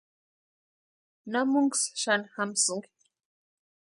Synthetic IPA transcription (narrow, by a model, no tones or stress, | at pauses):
namʊŋksʃanxamsʊŋ